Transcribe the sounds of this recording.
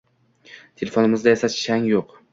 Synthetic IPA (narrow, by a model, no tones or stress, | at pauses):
t̪ʰelefonɪmɪzd̪ajasḁʃaŋjoq